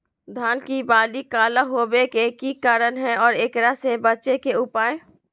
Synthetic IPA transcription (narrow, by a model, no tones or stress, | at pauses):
d̪ʱaːnkibaːlikaːlaɦoːbekekikaːɾənɦɛ̃ɔːɾeːkɾasebətːʃekeʊpaːẽ